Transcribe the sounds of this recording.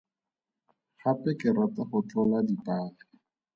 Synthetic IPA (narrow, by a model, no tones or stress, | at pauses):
χapɛkɪɾataχʊt͡ɬɔladitaːlɪ